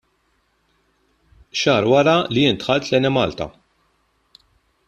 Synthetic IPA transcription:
ʃɐːɾwɐɾɐlijɪːnt̪ħɐlt̪lɛnɛmɐːlt̪ɐ̰

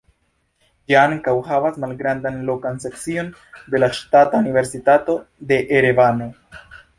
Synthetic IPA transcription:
d͡ʒiaŋkawɦavasmalɡɾand̪anlo̞kanse̞k̚t͡sio̞n | d̪e̞laʃtataunive̞ɾsitato̞de̞ʔeɾevano̞

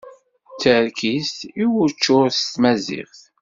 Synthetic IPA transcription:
t͡sːəɾkisiwʊɾt͡ʃːʊɾst̪mæzɪ̰χθ

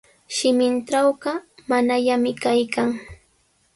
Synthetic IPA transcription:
ʃɪmɪnʈ͡ʂawɢɑmanaʎamɪkajkaŋ

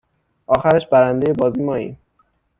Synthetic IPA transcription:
ʔɒːxæɾeʃbæɾænd̪e̞je̞bɒːziːmɒːḭːm

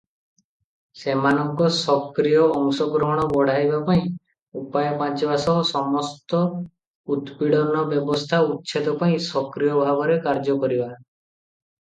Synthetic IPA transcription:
semanɔŋkɔsɔkɾijɔːŋsɔɡɾɔɦɔɽ̃ɔbɔɽ̤ajbapaĩ | upajɔpãt͡ʃɔbasɔɦsɔmɔst̪ɔ | ud̪piɽɔnɔbjɔbɔst̪ʰaut̪ːt͡ʃʰet̪ɔpaĩsɔkɾijɔbʱabɔɾekaɾd͡ʒɔkɔɾiba

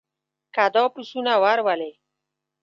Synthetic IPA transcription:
kad̪ɔpusunawaɾwale

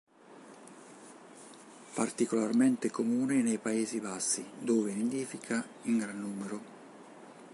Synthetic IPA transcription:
part̪ikolarmɛnt̪ɪkomuːnɪnejpaeːzibasːid̪oːved̪end̪iːfikʰa | iŋɡɾanːuːmeɾʊ

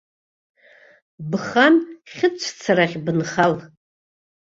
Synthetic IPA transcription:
bχanχʲɪt͡ʃʷʰt͡sʰaɾaχʲbɨnχal

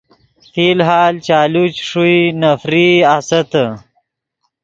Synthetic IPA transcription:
fiːlɦaːlt͡ɕaːlut͡ɕʂuinɐfɾiasɐt̪ə

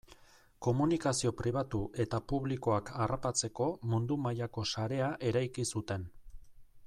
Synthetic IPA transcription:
ko̞munikasio̞pɾʔiβ̞at̪uʔe̞t̪apuβliko̞akʰarapat͡se̞ko̞mund̪umajako̞saɾe̞aʔe̞ɾajkisut̪e̞n

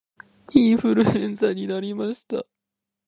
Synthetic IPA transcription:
iːɸɯɾɯ̟ẽñsaɲ̟inaɾʲimaɕi̥t̪a

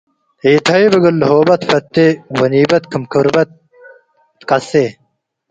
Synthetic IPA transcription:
eːt̪ʰɐjbɐɡɐlːɦoːbɐt̪fɐɾt̪ːewɐniːbɐt̪kʰəmkʰəɾbɐt̪̚ | kɐse

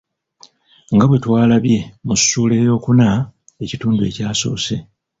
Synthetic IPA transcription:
ŋɡaβwe̞twaːlaβje̞musːuːle̞jo̞ːkuna | e̞cituːndue̞̰caːso̞̰ːse̞

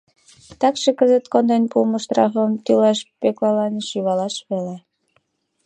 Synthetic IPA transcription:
t̪ɑkʃĕkəzə̆t̪kond̪enpumə̆ʃt̪rɑfə̆mt̪ylɑʃpeklɑlɑnʃyβɑlɑʃβele

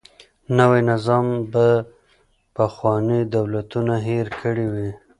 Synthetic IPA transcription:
nawenɪzɑmba | paxwɑnid̪awlat̪unaɦeɾkʰəɽiwi

